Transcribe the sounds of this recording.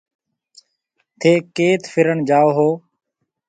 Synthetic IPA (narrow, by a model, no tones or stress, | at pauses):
t̪ʰeːkeːt̪fʰɪɾəɳd͡ʒaːoːɦoː